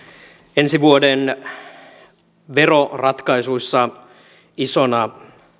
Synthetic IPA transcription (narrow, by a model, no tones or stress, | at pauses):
ensiʋuoden | ʋe̞ro̞rɑt̪kɑisuisːɑ | isonɑ